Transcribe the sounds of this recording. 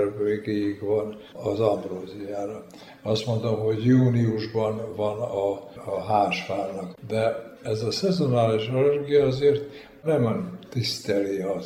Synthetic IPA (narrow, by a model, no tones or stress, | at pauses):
rveɡejikʋɒn | ɒzɒmbroːzijaːɾɒ | ɒst̪mo̞nd̪o̞mɦo̞ɟjuːniuʒbɒnvɒnɒɦaːʃfaːrnɒkd̪ɛɛzɒsɛzo̞naːliʃɒlɛrɡijɒɒzeːrt̪ | nɛmnt̪ist̪ɛliɒ